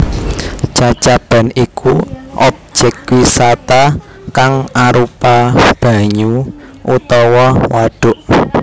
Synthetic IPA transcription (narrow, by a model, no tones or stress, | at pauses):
t͡ʃat͡ʃab̥a̤nikʰuʔɔb̚d͡ʒ̥ɛkwisat̪a | kaŋaɾupab̥ä̤ɲuʔut̪ɔwɔwaɖ̥ʊ̤ʔ